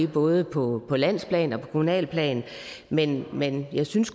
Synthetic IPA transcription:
e̥b̥ɔ̽ːð̞ˠəpʰɒ̽pʰɒ̽læn̰spʰlɛ̰ːnɒ̽pʰɒ̥̽kʰo̝munɛ̰ːlpʰlɛ̰ːn | menmenjɑ̈ɪsynsɡ

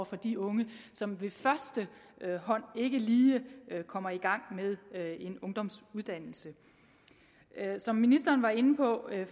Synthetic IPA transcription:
ɐfɒ̽d̥iɔ̽ŋəsɒ̽mʋe̝fɶɐsd̥əhɒ̽n̰e̝ɡ̥əliːkʰɒ̽m̰ɐiɡ̥ɑ̈ŋ̰með̞ˠe̝nɔ̽ŋd̥ɒ̽msuðˠd̥æn̰l̩sə | sɒ̽mːinisd̥ɐːnʋɑ̈e̝nəpʰɒ̽

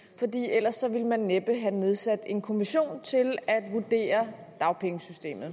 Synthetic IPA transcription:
fɒ̽d̥ḭːel̰ɐsːɒ̽ʋilmænːeb̥əɦæne̝ð̞ˠsæd̥e̝nkʰo̝miɕo̝̰ːnt͡sʰe̝læd̥ʋud̥e̝̰ːɐd̥ɑ̈ʊpʰeŋəsysd̥e̝̰ːmð̞̩ˠ

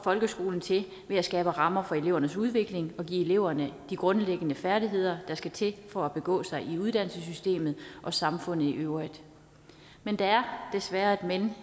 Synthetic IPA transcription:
ɒfɒ̽lɡ̥əsɡ̥o̝ːln̩t͡sʰe̝ | ʋe̝æsɡ̥ɛːb̥əʁɑ̈mɐfɒ̽e̝le̝ʊ̰ɐnəsuð̞ˠʋe̝ɡ̥le̝ŋɒ̽ɡ̥ḭːe̝le̝ʊ̰ɐnəd̥iɡ̥ʁɔ̽nleɡ̥ənəfæɐdiɦe̝ð̞̰ˠɐd̥ɑ̈sɡ̥æt͡sʰe̝fɒ̽æb̥e̝ɡ̥ɔ̰ːsɑ̈ɪʔiuð̞ˠd̥æn̰səsysd̥e̝̰ːmð̩ˠʔɒ̽sɑ̈mfɔ̽n̰ð̩ˠiʔøʊʁid̥ | mend̥ɑ̈æɐd̥e̝sʋæːɐed̥men

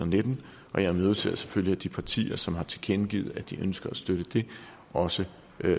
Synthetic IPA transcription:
ɐned̥n̩ | ʔɒ̽jɑ̈møð̞ˠsʰe̝ɐ̰se̥føliæd̥ipʰɑ̈t͡sʰḭːɐsɒ̽mhɑ̈t͡sʰe̝lkʰenɡ̥ḭð̞̩ˠæd̥iʔønsɡ̥ɐæsd̥øɾ̥əd̥e̝ | ʔɒ̽sə

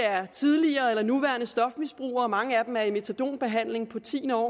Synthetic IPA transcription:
æɐt͡sʰiðˠliɐːelɐnuʋæɐnəsd̥ɒ̽fmisb̥ʁṵːɐːmɑ̈ŋəæd̥emæɐime̝t͡sʰæd̥o̝̰ːnb̥e̝ɦæn̰le̝ŋpʰɒ̽t͡sʰḭːnɒ̰ː

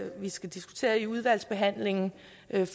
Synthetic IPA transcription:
ʋisɡ̥æd̥isɡ̥u̥t͡sʰe̝̰ːɐiuð̞ˠʋæl̰sb̥e̝ɦæn̰le̝ŋn̩ | ʔf

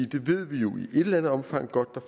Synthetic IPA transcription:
id̥e̝ʋe̝ð̞̰ˠʋijo̝ʔiʔe̝ɾ̥elænð̩ˠɒ̽mfɑ̈ŋ̰ɡ̥ɒ̽d̥ːɑ̈

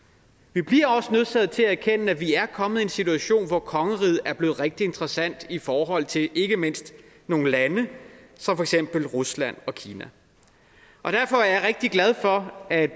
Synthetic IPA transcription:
ʋib̥liɐɒ̽sənøð̰ˠt͡sʰæð̞̰ˠt͡sʰe̝lææɐkʰenəæʋiæɐkʰɒ̽məð̩ˠe̝nsit͡sʰuæɕo̝̰ːnʋɒkʰɒ̽ŋəʁið̰ˠæɐb̥le̝ːð̩ˠʁeɡ̥̚d̥ie̝nd̥ʁɐsæn̰d̥ifɒːɦɒ̽l̰t͡sʰe̝le̝ɡ̥əme̝n̰sd̥ | no̝ːŋn̩lænəsɒmfɒ̽eɡ̥sem̰b̥l̩ʁuslæn̰ɒ̽kʰiːnæ | ʔɒ̽d̥æɐfɒ̽æɐjäʁeɡ̥̚d̥iɡ̥læð̞ˠfɒ̽æ̥

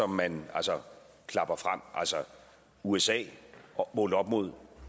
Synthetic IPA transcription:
ɒ̽mːænælsɒ | kʰlɑ̈b̥ɐfʁam̰ʔælsɒ | uesɛ̰ːmɔːləɒ̽b̥mo̝ð̞̰ˠ

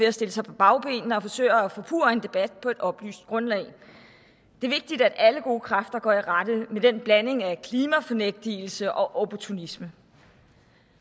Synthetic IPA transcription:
e̝æsd̥e̝ləsɑ̈ɪpʰɒ̽b̥ɑ̈ʊb̥e̝̰ːnnəɒ̽fɒ̽sø̰ɪɐæfɔ̰ːpʰṵːɐe̝nd̥e̝b̥æd̥̚pʰɒ̽e̝d̥ɒ̽b̥ly̰ːsd̥̚ɡ̥ʁɔ̽nlɛ̰ɪ | d̥e̝ɐʋe̝ɡ̥̚d̥id̥æd̥æləɡ̥o̝ːkʰʁɑ̈fd̥ɐɡ̥ɒ̰ːiʁɑd̥ðˠmed̥enb̥læne̝ŋækʰliːmæfɒ̽neɡ̥̚d̥il̩səʔɒ̽ʔopʰɒt͡sʰunismə

